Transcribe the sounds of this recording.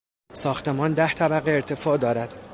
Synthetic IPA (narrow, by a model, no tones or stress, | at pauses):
sɒːxt̪ʰe̞mɒːnd̪æht̪ʰæbæɣeːɾt̪ʰe̞fɒːd̪ɒːɾæd̪̥